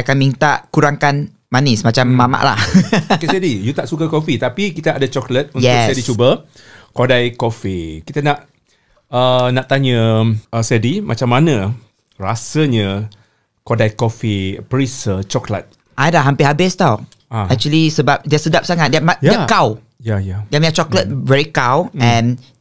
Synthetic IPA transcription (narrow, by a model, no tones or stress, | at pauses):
akanmint̪aʔkuɾaŋkan | manismat͡ʃamːama̰ʔla̰hkesɛdijut̪aʔsukəkofit̪apikit̪əʔadət͡ʃɔklət̪̚unj̪ɛʊsɛdit͡ʃubə | kodajkofikit̪ənaʔ | ənaʔt̪aɲəəsɛdimʔa̰t͡ʃamːanə̃ | rasəɲə | kodajkofipəɹisət͡ʃɔklə̰t̪̚ | ʔajlaɦãmpɪhabɪst̪aw | aɛk̚t͡ʃuəlisəbap̚dɛsədap̚saŋat̚dɛmajakaw | jajadɛmat͡ʃɔklət̚vɛɹikawɛ̃n